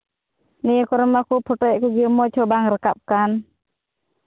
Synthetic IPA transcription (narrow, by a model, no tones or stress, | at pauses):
nikɔɾmakupʰɔʈɔjʔkuɡimɔt͡ʃʰɔbaŋɾəkap̚kan